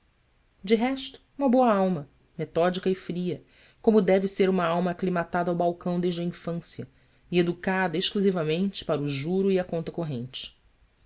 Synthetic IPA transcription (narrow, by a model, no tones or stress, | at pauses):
d͡ʒɪɦɛʃt̪ʊ̥ũmɐbowɐawmɐ | met̪ɔd͡ʒikɐɪfɾiɐ | kõmʊd̪ɛvɪseɾũmɐawmɐːklimat̪ad̪ɐawbawkɐ̃w̃d̪eʒd͡ʒɐĩfɐ̃sjɐ | ied̪ukad̪ɐeʃkluzivɐmẽnt͡ʃɪ̥paɾuʒuɾʊiɐkõnt̪ɐkoɦẽnt͡ʃɪ̥